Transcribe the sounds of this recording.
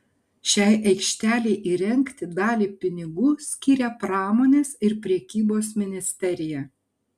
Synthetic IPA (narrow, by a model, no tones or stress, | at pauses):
ʃʲɛˑɪʔɛɪkʃʲt̪ʲæːlʲɛɪʔiːɾʲɛŋʲkt̪ʲɪd̪ɑːlʲiːpʲɪnʲɪɡuːsʲkʲiːɾʲɛpɾɑːmoːnʲeːsɪɾpʲɾʲɛkʲiːboːsmʲɪnʲɪsʲt̪ʲɛɾʲɪjɛ